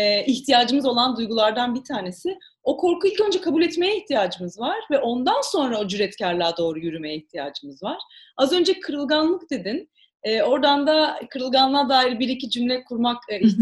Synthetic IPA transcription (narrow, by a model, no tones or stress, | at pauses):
ɛːiçt̪ʰijaːd͡ʒɯmɯzo̞lˠand̪ujɡulˠaɾd̪anbit̪ʰaːne̞sɪ | o̞kʰo̞ɾkuilʲcø̞nd͡ʒɛkʰabulʲɛt̪me̞jɛiçt̪ʰijaːd͡ʒɯmɯzvaɾ̥vɛʔo̞nd̪anso̞nɾao̞d͡ʒyɾɛt̪cæɾlʲˠaːd̪o̞ːɾujyɾymejɛiçt̪ʰija̰ːd͡ʒɯmɯzvaɾ̥azø̞nd͡ʒɛkʰɯɾɯlˠɡanlˠɯk̚d̪e̞d̪in | ɛːo̞ɾd̪and̪akʰɯɾɯlˠɡanlˠad̪aːiɾbiɾicid͡ʒymlʲɛkʰuɾmaki